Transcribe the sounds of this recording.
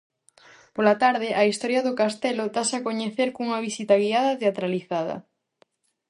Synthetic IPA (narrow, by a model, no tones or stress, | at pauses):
polat̪aɾðɪʔaist̪ɔɾjɐðʊkast̪ɛlʊt̪asakoɲeθeɾkuŋɐβisit̪ɐɣiaðɐt̪eat̪ɾaliθaðɐ̰